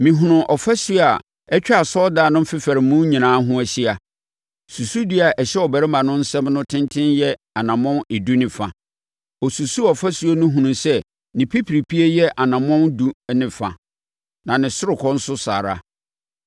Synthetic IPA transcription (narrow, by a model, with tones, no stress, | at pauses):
mĩ˨ɦʊ̃˨nʊ̃˨ʔɔ˨fæ˦su˦˨a˨ | ɛ˦t͡ɕᶣa˨sɔ˦daː˦˨nʊ̃˦m̩˦fɪ˦fæ˨ɾɪ̃˨˦mũ˦ɲĩ˨nãː˨˦ɦʊ̃˦æ˨ɕi˦a˨ | su˨su˦di˦a˨ʔɛ˨ɕɛ˦ɔ˨bæ˨ɾɪ˦mã˨nʊ̃˦n̩˦sɛ̃˦mnʊ̃˦tʰɪ̃˦ntʰɪ̃˦njɛ˦ | a˨nã˨mɔ̃˦nɪ˨du˦nɪ̃˨fa˨ | ɔ˨su˨su˦ɔ˨fæ˦su˦o˦nʊ̃˦ɦũ˨nʊ̃˨sɛ˦ | nɪ̃˨pʰi˦pʰɾi˨pʰi˦e˦jɛ˦ʔa˨nã˨mɔ̃˦ndu˦nɪ̃˨fa˨ | nã˨nɪ̃˨sʊ˦ɾʊ˨kʰɔ˦n̩˦sʊ˦sa̰ː˨ɾa̰˦